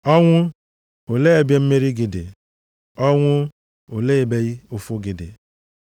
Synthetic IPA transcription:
ɔ˦ŋʷʊ˦ | o˨le˦˨bje˦m̩˦me˦ɾi˦ɡɪ˨dɪ̰˨ | ɔ˦ŋʷʊ˦ | o˨le˦e˨be˦ɣi˦ʊ˨fʊ˦ɡɪ˨dɪ̰˨

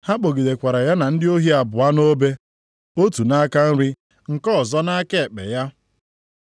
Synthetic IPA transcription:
ha˦k͡po˨ɡi˨de˨kʷa˨ɾa˨ja˦na˨n̩˦dɪ˦o˦ɦi˦a˨bʊ˨a˦no˦be˦ | o˦tu˨na˦ka˦n̩˦ɾɪ˦ | ŋ̩˨kɔ˦˨zɔ˦na˦ke˦˨k͡pḛ˨ja˦

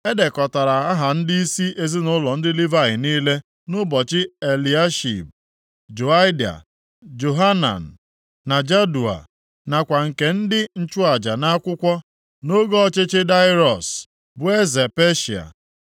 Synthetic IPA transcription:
e˦de˨kɔ˨ta˨ɾa˨a˦ɦa˨n̩˦di˦i˦si˦ʔe˦zɪ˦nʊ˦lɔ˨n̩˦dɪ˦li˦va˦ɣɪ˨niː˦le˦ | nʊ˦bɔ˨t͡ʃɪ˦e˨li˨a˦ʃḭ˨b̚ | d͡ʒo˨a˦ɪ˦da̰˨ | d͡ʒo˨ɦa˦na̰˨n̩˨ | na˨d͡ʒa˦du˨a̰˨ | na˨kʷa˨ŋ̩˨ke˨n̩˦dɪ˦n̩˦t͡ʃʊ˦a˨d͡ʒa˨na˦kʷʊ˦kʷɔ˦ | no˦ɡo˦ɔ˦t͡ʃe˦t͡ʃe˦da˦ɪ˦ɾɔ˨s | bʊ˨e˦ze˨pe˦ʃi˨a̰˨

